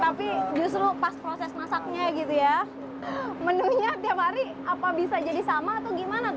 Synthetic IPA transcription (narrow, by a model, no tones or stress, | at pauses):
t̪apid͡ʒust̪ɾupaspɾosɛsnasak̚ɲaɡit̪uja | mənuɲat̪iapɦaɾi | apabisad͡ʒadisamaːt̪awɡimana